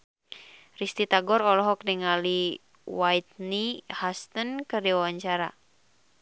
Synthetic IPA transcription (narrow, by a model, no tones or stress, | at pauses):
rist̪it̪aɡɔɾɔlɔɦɔk̚niŋali | wajt̪̚nihast̪ənkɨrdiwawaɲt͡ʃaɾa̰